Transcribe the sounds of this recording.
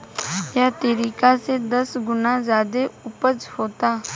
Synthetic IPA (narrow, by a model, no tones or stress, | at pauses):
jaːt̪eːɾiːkaːseːd̪əsɡʊnãːzaːd̪eːʊpəd͡ʒhoːt̪aː